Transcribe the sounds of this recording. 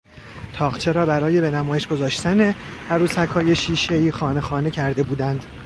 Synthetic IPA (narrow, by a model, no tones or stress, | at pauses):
t̪ʰɒːɢt͡ʃʰe̞ɾɒːbæɾɒːje̞be̞næmɒːjeʃɡ̥o̞zɒːʃt̪æne̞hæɾuːsækʰɒːje̞ʃiːʃe̞iːxɒːne̞xɒːne̞cʰæɾd̪e̞buːd̪ænd̪̥